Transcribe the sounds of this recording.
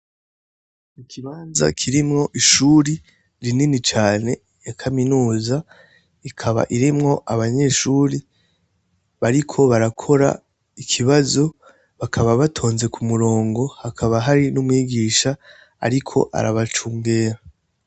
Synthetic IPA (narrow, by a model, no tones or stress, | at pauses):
ikʰiβaːnza̰kʰiɾimŋo̞ʔiʃuːɾi | ɾininit͡ʃaːne̞ | jakʰaminuːza | ikʰaβa̰ʔiɾimŋo̞ʔaβaɲe̞ʃuːɾi | βaɾikʰo̞βaɾakʰo̞ɾa̰ | ikʰiβazo̞ | βakʰaβaβatʰo̞ːnze̞kʰumuɾo̞ːŋɡo̞hakʰaβaɦaɾinumŋiːɡiːʃa̰ː | ɾikʰo̞̰ʔa̰ɾaβat͡ʃuːŋɡeːɾa